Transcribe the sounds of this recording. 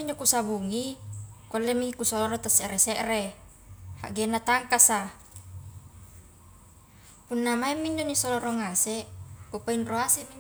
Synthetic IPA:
iɲd͡ʒokusabuŋikolːɛmikusɔlɔɾɔt̪asɛʔɾɛsɛʔre | ha̰ʔɡenːat̪aŋkasa | punːamaɛmːiɲd͡ʒonisolɔɾɔŋaseʔkupainroasɛmi

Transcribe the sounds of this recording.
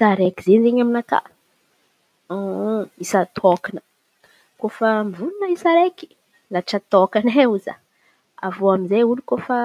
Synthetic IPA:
saɾekizenizeɲaminaka̰ | isat̪ʰokanə̥ | kofamivununəisaɾeki̥ | laʈ͡ʂat̪okaneuza̰ | a̰voaminzeulukofa

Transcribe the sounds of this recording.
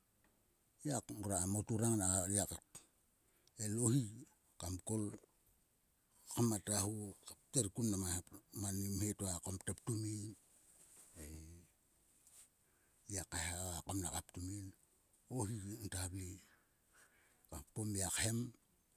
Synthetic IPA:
jakuɾamotuɾaŋnaiakat | elohi | kamkol | kamatahukap̚teɾkunnamamanimhetakamtap̚tumin | e | jakahaakamnakap̚tumin | ohintabli | kapomjakhem

